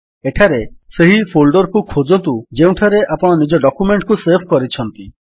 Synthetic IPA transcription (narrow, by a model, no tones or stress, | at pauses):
eʈʰaɾeseɦipʰolɖɔɾɔkukʰod͡ʒɔnt̪ud͡ʒeũʈʰaɾeʔapɔɽ̃ɔnid͡ʒɔɖɔkjumeɳʈkusebʰʱɔkɔɾit͡ʃʰɔnt̪i